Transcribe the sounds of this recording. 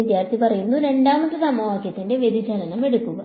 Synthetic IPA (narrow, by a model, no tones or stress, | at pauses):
id̪jaːrt̪ʰipɐrɐjunːuɾe̞ɳɖaːmɐʈːɨsɐmːɐʋaːkjɐt̪ːinde̞ʋed̪it͡ɕɐlɐnɐme̞ɽukːuɣɐ